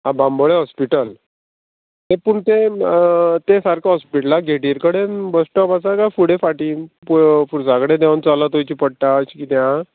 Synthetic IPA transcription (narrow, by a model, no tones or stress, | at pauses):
abãmbəɭeɦɔspiʈəl | t̪epuɳt̪e | t̪esaɾkaɦɔspiʈlaɡʱeʈiɾkəɽebəsʈɔpasakafuɽefaʈiːpufuɾs̬akəɽẽd̪eant͡salat̪ojt͡ɕipəɽʈ̪at͡ɕikit̪jã